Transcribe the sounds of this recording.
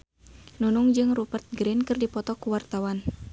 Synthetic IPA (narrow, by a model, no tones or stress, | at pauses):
nunuŋd͡ʒɨŋrupərt̪̚ɡɾinkɨrdipɔt̪ɔkuwart̪awan